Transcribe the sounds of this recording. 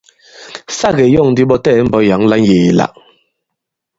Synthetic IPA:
sa˦˨ɣe˨˦jɔ˦˨ŋ˨di˦ɓɔ˦tɛː˦˨˦m̩˦bɔ˨˦ja˨˦ŋla˦nje˨la̰˨ʔ

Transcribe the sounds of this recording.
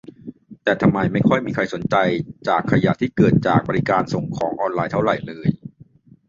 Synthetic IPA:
t̪ɛː˨˩t̪ʰa˧mːa˧jma˥˩jkʰɔ˥˩jmiː˧kʰa˧jso˩˦nt͡ɕa˧jt͡ɕaː˨˩kʰːa˧ja̰˨˩t̪ʰiː˥˩kɤː˨˩t̪̚t͡ɕaː˨˩k̚bɔː˧ɾi˦˧kaː˧nso˨˩ŋkʰɔː˩˦ŋʔɔː˧nlaː˧jt̪ʰa˥˩ɾa˨˩jlɤː˧j

